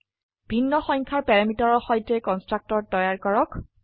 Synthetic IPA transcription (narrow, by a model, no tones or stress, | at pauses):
b̥ʱinːɔxɔŋkʰaɹpɛɹamitɔɹɔɹxɔjtɛkɔnstɹak̚tɔtːɔjaɹkɔɹɔk